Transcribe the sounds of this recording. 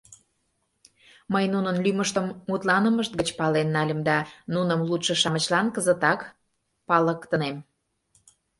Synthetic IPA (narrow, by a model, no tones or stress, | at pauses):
məjnunənlyməʃt̪əmmut̪lɑnəməʃt̪̚ɡət͡ɕpɑlenːɑlʲəmd̪ɑnunə̆mlut̪ʃə̆ʃɑmət͡ɕlɑnkəzət̪ɑk | pɑləkt̪ə̆nem